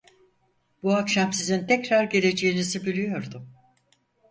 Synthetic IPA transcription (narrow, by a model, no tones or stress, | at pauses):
b̥uakʃamsizint̪ʰɛcɾaɾɟe̞ɾʲe̞d͡ʒe̞jinizibilʲyjo̞ɾd̪ʊ